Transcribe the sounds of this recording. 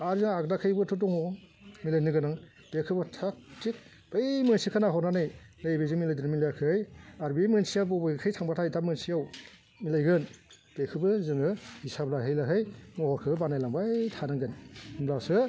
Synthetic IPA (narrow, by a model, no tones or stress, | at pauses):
aɾzɯŋaɡdakʰɯjbɯtʰɯt̬ɔŋɔ | milajnɯɡɯnaŋ | b̥ekʰɯbɯtʰak̚tik̚ | b̥ajmɯnsikʰɯnaɦɔnanɯjnɯjbezɯŋmilajdɯnmilajakʰɯjaɾbimɯnsiabɔbɯkʰɯjtʰaŋbatʰajdamɯnsijaw | milajɡɯn | b̥ekʰɯbɯzɯŋɯhisablaɦɯjlaɦɯjmɔhɔɾkʰɯbɯbanajlaŋbatʰanɯŋɡɯnɯmlasɯ